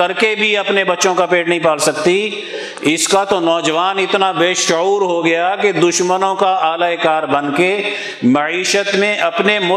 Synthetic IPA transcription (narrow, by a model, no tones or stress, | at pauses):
ɐɾkebʱiɐpnebɐtːʃõkapeːʈnɐɦĩpaːlsɐkt̪i | ɪskat̪onɔːd͡ʒʋaːnɪt̪nabeːʃʊuːɾɦoɡɐjaked̪ʊʃmənõkaaːlaekaːɾbɐnke | mɐiːʃət̪mẽʔɐpnemʊ